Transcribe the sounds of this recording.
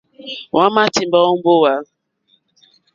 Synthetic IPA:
wa˦ma˦ti˨m̩˨ba˦o˦m̩˦bo˦wa˦

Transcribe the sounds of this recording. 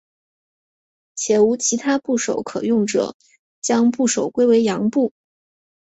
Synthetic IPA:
t͡ɕʰjɛ˨˩u˧˥t͡ɕʰi˧˥t̪ʰa˥pu˥˩ʂo̰˨˩˥ʊkʰɤ˨˩jʊ˥˩ŋʈ͡ʂɤ̰˨˩˦ | t͡ɕjɑ˥ŋpu˥˩ʂo˨˩ʊkwe˥ɪwe˧˥ɪjɑ˧˥ŋpu˥˩

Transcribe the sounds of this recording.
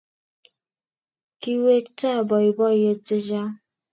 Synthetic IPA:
ki˦we˦k̚ta˦˨bɔ˨i˨bɔ˦˨je˦te˦d͡ʒa˦

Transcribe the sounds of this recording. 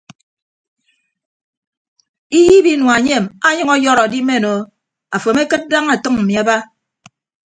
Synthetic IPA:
i˦ji˦bi˦nwa˨ɲe˦˨ma˦ɲʌ˦ŋɔ˦jɔ˦ɾa˨di˦me˦˨no˨ | a˨fo˨me˦kɨ˦t̚da˦ŋa˨tʌ˦ŋm̩˨mi˨a˨ba˦

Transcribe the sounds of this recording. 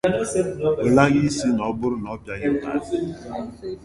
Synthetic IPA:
o˨la˦ɣi˦si˦nɔ˨˦bʊ˦ɾʊ˦n˨ɔ˦pja˦ɲɪ˦a̰˨˦˨

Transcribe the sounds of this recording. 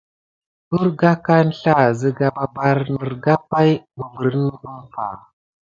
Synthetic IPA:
u˦ɾɡa˦ka˦n˦ɬa˦˨zə˨ɡa˨ba˦ba˦ɾnə˨ɾɡa˦pa˦jbu˨və˨ɾn˦ə˦mfa̰˨

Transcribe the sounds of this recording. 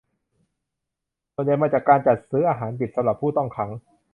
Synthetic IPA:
su˨˩nja˨˩jma˧˩t͡ɕaː˨˩kːaː˧nt͡ɕa˨˩t̪̚sɯː˦˥ʔaː˧ɦaː˩˦npi˨˩t̪̚sa˨˦mɾa˨˩pʰːuː˥˩t̪ɔ˥˩ŋkʰa˦˥ŋ

